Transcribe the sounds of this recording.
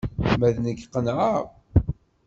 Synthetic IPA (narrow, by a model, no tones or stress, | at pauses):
mæðnəɡqːənʕaʁ